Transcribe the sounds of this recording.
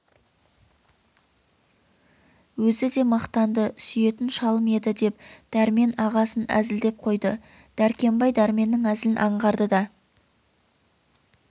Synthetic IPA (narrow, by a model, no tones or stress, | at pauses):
wɵzɪd̪e̞mɑqt̪ɑnd̪əsʏje̞t̪ɪnʃɑlˠəmed̪ɪd̪e̞p̚d̪̥æɾme̞nɑʁɑsənæ̰zɪld̪e̞p̚qʰo̞jd̪ə | d̪̥æɾkʲe̞mbɑjd̪æɾme̞nːɪŋæzlɪnʔɑɴʁɑɾd̪əd̪ɑ